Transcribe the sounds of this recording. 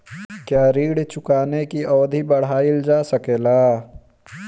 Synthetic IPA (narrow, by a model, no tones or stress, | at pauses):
kjaːɾiːɽt͡ʃʊkaːnekiʔɔːd̪ʱibɐɽ̤aːild͡ʒaːsəkeːlaː